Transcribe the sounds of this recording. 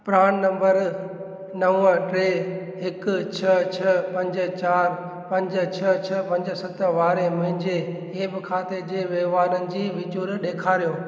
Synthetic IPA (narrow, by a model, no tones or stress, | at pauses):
pɾaːɽ̃nɐ̃mbəɾ | nɐʋəʈɾeː | ɦɪkt͡ɕʰɐt͡ɕʰɐpɐ̃ɲd͡ʑ̆t͡ɕaːɾ | pɐ̃ɲd͡ʑ̆t͡ɕʰɐt͡ɕʰɐpɐ̃ɲd͡ʑəsɐt̪ʋaːɾemɐ̃ɦɪ̃ɲd͡ʑe | ebɪkʰaːt̪ed͡ʑeːʋeːʋaːɾənɪ̆d͡ʑiːʋɪt͡ɕuːɾɗeːkʰaːɾijoː